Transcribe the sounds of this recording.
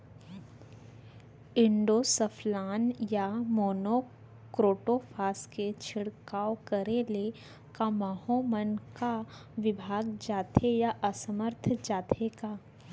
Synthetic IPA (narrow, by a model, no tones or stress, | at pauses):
ɪ̃ɳɖoːsəpʰlaːnjamoːno | kɾoːʈopʰaːsket͡ʃʰɪɽkaːokəɾele | kamaːhomənkaʋɪbʱaːɡd͡ʒaːt̪ʰejaʔəsəməɾt̪ʰd͡ʒaːt̪ʰekaː